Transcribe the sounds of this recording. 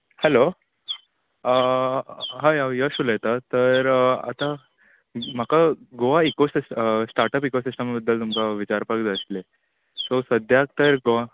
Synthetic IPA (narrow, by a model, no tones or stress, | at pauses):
hɛlo | ə | ɦajajəɕuləjt̪at̪əɾa̰t̪a | m̤akaɡoʋaikosissʈaɾʈəpikosisʈəmabəd̪ːəlt̪umkaʋit͡ɕaɾpakd͡zəsle | sosəd̪ʱjak̚t̪əɾɡoʋa